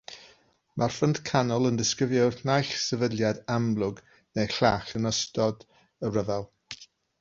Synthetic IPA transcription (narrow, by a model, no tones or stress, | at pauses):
mʔarfənd̥kʰanɔlˠəndɪskɪvjwrnajɬsəvədlˠjadamlˠʊɡ | nejɬaːɬənəstɔd | ərəvalˠ